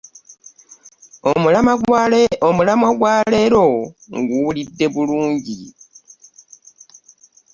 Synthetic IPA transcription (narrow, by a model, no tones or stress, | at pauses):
omulamaɡwaːleɾo̞ŋɡulidːe̞βuluːɲɟi